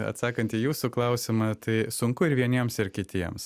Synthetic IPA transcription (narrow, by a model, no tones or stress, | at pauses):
ɐ̰t̪sɑːkɐnʲt̪ʲiːjuːsuklˠɐʊsʲɪmɑt̪ɐɪsʊŋkʊɪɾʋʲiɛnʲiɛmsɪɾkʲɪt̪ʲiɛms